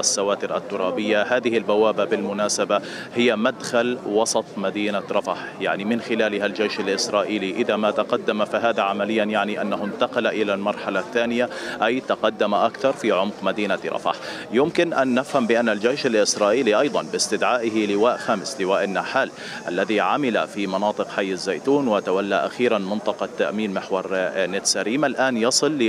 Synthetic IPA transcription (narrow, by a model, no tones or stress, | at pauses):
asːawaːt̪ɪɾʔa̰t̪ːʊɾˤɑːbɪjːaɦaːðɪhɪlbawaːbabɪlmʊnaːsaba | hɪjːamad̪xalwɑsˤɑt̪ˤmad̪iːnaɾˤɑfaħjaʕnimɪnxɪlaːlɪhald͡ʒejʃalʔɪsɾˤɑːʔiːliʔɪðamat̪aqɑd̪ːamafaɦaːðaʕamalɪjːanjaʕniʔanːaɦʊnt̪ɑqɑlaʔɪlalmɑɾˤħalaθːaːnɪjaʔajt̪ɑqɑd̪ːamaʔakθɑɾˤfiʕʊmqmad̪iːnat̪ɾˤɑ̰fa̰ħ | jʊmkɪnʔanːɪfhambɪʔanːald͡ʒejʃalʔɪsɾˤɑːʔiːliʔɑjd̪ˤɑnbɪst̪ɪd̪ʕaːʔɪɦɪlɪwaːʔxaːmɪslɪwaːʔɪnːaːħaːl | ʔa̰lːaðiʕamɪla̰fimɑnɑːt̪ˤɨqħajːazːaːjt̪uːnwɪt̪awalːaʔa̰xiːɾanmɪnt̪ˤɑqɑt̪ːa̰ʔmiːnmɪħwɑɾˤnet̪saɾiːmalʔaːnjɑsˤɨlːɪ